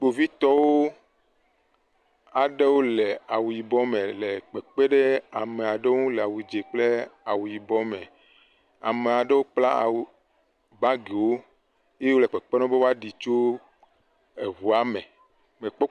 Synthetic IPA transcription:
k͡po˨vi˦t̪ɔ˦wo˦ | a˨ɖe˦wo˦le˨a˨wu˨ji˨bɔ˦me˨le˨k͡pɛ˨k͡pɛ˦ɖe˦a˨me˨a˨ɖe˦wo˦ŋũ˦le˨a˨wu˨d͡ʒe˨k͡ple˦a˨wu˨ji˨bɔ˦me˨ | a̰˨me˨a˨ɖe˦wo˦k͡pla̰˦a̰˨wu˨ | ba˦ɡe˨wo˦ | je˦je˦wo˦lɛ˨k͡pɛ˨k͡pe˦nɔ̃˦be˦wo˦a˦ɖi˨t͡ʃo˦ | e˨βu˨a˨me˨ | me˨k͡pɔ˦

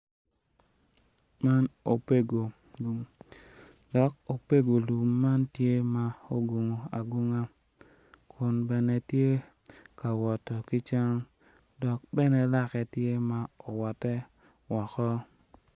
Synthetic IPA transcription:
ma˦no˨pe˦ɡo˨ | lu˨m | dɔ˨k̚o˨pe˦ɡo˨lu˨mːa˦ntje˦ma˨o˦ɡu˨ŋo˨a˨ɡu˦ŋa˦ | kʰʊ˨nbɛ˨nɛ˦tje˦ | ka˨wɔ˨tɔ˨ki˦t͡ʃa˦ŋ | dɔ˨k̚bɛ˦nɛ˦la˦kɛ˨tje˦ma˨o˨wɔ˨tɛ˦ | wɔ˨kɔ˦

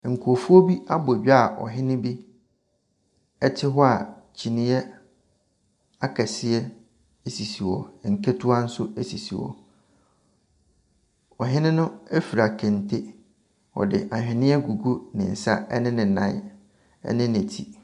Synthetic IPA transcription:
ŋ̩˨kʰu˨o˨fu˦o˦bi˦a˦bʊ˨ɥi˦a˨ʔɔ̰˨ɦɪ̃˦nɪ̃˦bi˦ | ɛ˦tʰɪ˦ɦɔ˦a˨ | t͡ɕʰi˨nɪ̃˦jɛ˦ | a˦kʰa˨sɪ˨ɛ˦ | e˦si˨si˨wɔ˨ŋ̩˨kʰe˦tʰu˦a˦n̩˦sʊ˦e˦si˨si˨wɔ̰˨ | ɔ˨ɦɪ̃˦nɪ̃˦nʊ̃˦ɛ˦fi˨ɾa˨kʰɛ̃˨ntʰe˦ | ɔ̰˨dɪ̰˨ʔa˨ɦᶣɪ̃˨nɪ̃˦ɛ˦ɡu˨ɡu˦nɪ̃˨n̩˨sa̰˦ɛ̰˦nɪ̃˦nɪ̃˨nã̰˦ | ɛ̰˦nɪ̃˦nɪ̃˨tʰi˨

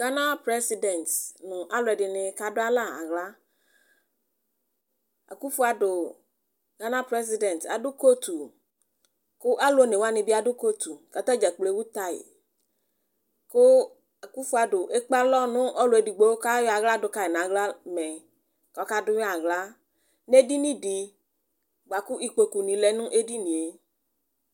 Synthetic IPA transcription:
ɡa˦nã˦pɾɛ˦si˦dɛ˨ntnʊ̃˨ʔa˦lʊ˨ɛ˨dɪ˨nɪ˨ka˨dʊ˦a˦la˦˨a̰˨ɣla˦ | a̰˨ku˦fu˦a˨dʊ˨ | ɡa˦nã˦pɾɛ˦s̬i˦dɛ˨nta̰˨dʊ˦ko˦t̪u˨ | kʊ˦ʔa˦lo˦ne˨wa˦nɪ̃˨bi˦a˨dʊ˦ko˦t̪u˨ka˨t̪ɔ˦d͡ʒɛ˨k͡ple˦wu˦t̪a˨ḭ˨ | kʊ˦ | a˨ku˦fu˦a˨dʊ˨ʔe˦k͡pa˦lɔ˦nʊ̃˦ʔɔ˦lo˨e˨di˨ɡ͡bo˦o˦ka˦jɔ˦a˨ɣla˦dʊ˨ka˨e˨nã˨ɣla˦mɛ̃˨ | kɔ˨˦ka˦dʊ˦ja˨ɣla˦ | ne˦di˦nĩ˦di˨ | ɡ͡ba˨ku˦i˨k͡po˨ku˨nĩ˨lɛ˨nʊ̃˦ʔe˦di˦nĩ˨e˨

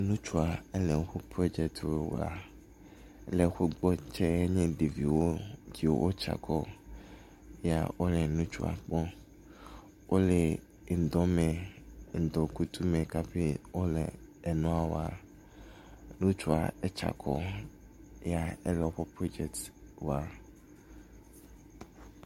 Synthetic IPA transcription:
nũ˦t͡ʃu˦a˨e˦le˨˦xo˦pɾo˦d͡ʒɛ˨k̚t̪o˦w̰a̰˨˦ | le˨xo˦ɡ͡bɔ˦t͡ʃɛ˦e˦ɲẽ˦ɖe˨vi˨wo˦d͡ʒi˨w̰wʔo˦t͡ʃa̰˨kʰɔ˦ | ja̰˨wo˦le˨nũ˦t͡ʃṵ˦a̰˨k͡pɔ˦ | wʔo˦le˨ | n̩˨d̪ɔ˦me˨n̩˨d̪ɔ˨ku˦t̪ʰu˦mɛ˨ka˦ɸe˦wo˦lɛ̰˨ɛ˨nũ˦a˦wo˦a˨ | nũ˦t͡ʃu˨a˨ɛ˦t͡ʃa̰˨kʰɔ̰˦ | ja˨ɛ˦lɔ˨˦ɸɔ˦pɾo˦d͡ʒɛ˨ktwa˨

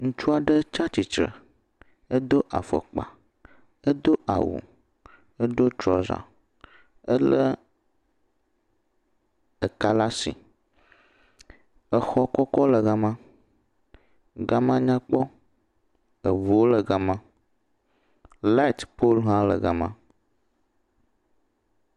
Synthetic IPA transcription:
ŋũ˦t͡ʃu˦a˨ɖə˦t͡ʃa˦t͡ʃi˨t͡ʃɾə̰˨ | ə˦d̪o˦ʔa˨fə̰˨k͡pa̰˨ | ə˦d̪o˦a̰˨wṵ˨ | ə˦ɖo˦t͡ʃɾɔ˨za̰˨ | ə˦lə˦ | ə˨ka˦la˦sḭ˨ | ə˨xɔ˦kɔ˦kɔ˦lə˨ɣa˨mã˦ | ɡa˦mã˦ɲã˦k͡pɔ˦ | ə˨vu˨wo˦lə˨ɡa˨mã˦ | la˦˨t̪po˦lɦã˦lə̰˨ɡa˨mã̰˦

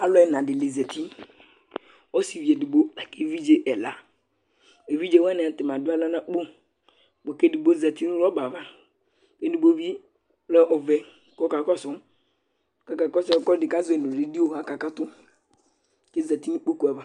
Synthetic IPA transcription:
a˨lɔ˦ɛ˨nã˨dɪ˨le˨zɛ˨ti˦ | wɔ˦si˨vi˨e˨di˨bo˦a˨ke˦vi˦d͡ʒe˦ʔɛ˨la˨ | e˨vi˦d͡ʒe˦wɛ˦n˨a˨tɪ˨m˨ã˨dʊ˦a˦la˦nã˦k͡po˦ | k͡po˨ke˦di˨bo˦zɛ˨ti˦nʊ̃˦ɾɔ˦ba˨va˦ | ke˦di˨bo˦vi˦ | lɛ˦ʔɔ˨vɛ˨ | kɔ˦ka˨kɔ˦sʊ˨˦ | ka˦ka˨kɔ˦sɔ˦kɔ˦dɪ˨ka˦zʊ˦e˨nõ˨dɪ˨di˦o˨a˨ka˨ka˦tʊ˦ | ke˦zɛ˨ti˦nũ˦k͡po˦ku˨˦ɛ˨ba˨

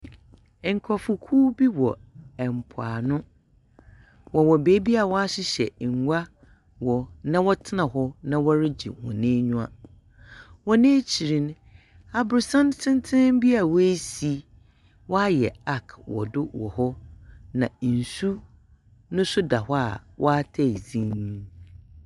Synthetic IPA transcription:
ŋ̩˨kʰɔ˨fʊ˨kʰuː˦bi˦wɔ˨ɛ˨m˨pʰʊ˨a̰˨nʊ̃˦ | wɔ˨wɔ˨be˦bi˦a˨wɔ˦a˦ɕɪ˦ɕɛ̰˨ŋ̩˨ɡʷa˦ | wɔ˨nã˦wɔ˦tʰɪ˦nã˨ɦɔ˦nã˦wɔ˦ɾɪ˦d͡ʑḭ˨wɔ̰̃˨nẽː˦ɲũ˦a̰˨ | wɔ˦nẽː˦t͡ɕʰi˨ɾĩ˨n˦ | a˨bʊ˨ɾsã˦ntʰɪ̃˦ntʰɪ̃˦m˦bi˦a˨wɔ˦e˦si˨ | wɔ˦a˦jɛ̰˨a˦kʰwɔ̰˨dʊ˦wɔ̰˨hɔ˦nã˨n̩˨su˦ | nʊ̃˦sʊ˦da˨ɦɔ˦a˨wʔɔ˦a˦tʰɛ˦˨zĩ˦

